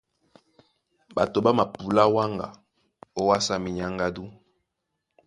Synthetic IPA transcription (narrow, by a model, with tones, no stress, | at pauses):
ba̰˨to˨ba˦ma˨pu˨la˦wa˦ŋɡa̰˨ | o˦wa˦sa˦mi˨ɲa˦ŋɡa˦du˦